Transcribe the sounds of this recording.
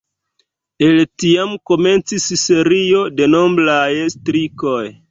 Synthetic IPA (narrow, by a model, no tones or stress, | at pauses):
e̞ltiamko̞me̞nt͡sisse̞ɾio̞de̞no̞mblajestɾiko̞j